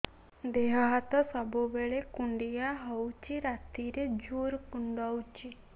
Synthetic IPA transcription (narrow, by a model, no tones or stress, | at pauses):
d̪eɦɔɦat̪ɔsɔbubeɭekuɳɖijaɦɔwt͡ʃiɾat̪iɾed͡ʒuɾkuɳɖɔwt͡ʃi